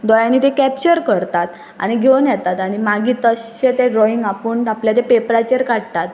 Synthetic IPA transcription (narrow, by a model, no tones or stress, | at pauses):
d̪ɔjanit̪ekæpt͡ɕəɾkəɾt̪at̪ | a̰ñiɡʱewnjɛt̪at̪añimaɡʱiːt̪əɕɕet̪eɾoiŋɡapəːɳapljat̪̬epepɾat͡ɕəɾkaɽt̪at̪